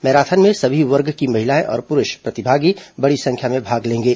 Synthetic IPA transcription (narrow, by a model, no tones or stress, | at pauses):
mɛːɾaːt̪ʰənmẽsɐbʱiʋɐɾɡkimɐɦɪlaːẽʔɔ̰ːɾpʊɾʊʃpɾɐt̪ɪbʱaːɡibɐɽisɐ̃ŋkʰjamẽbʱaːɡlẽːŋɡeː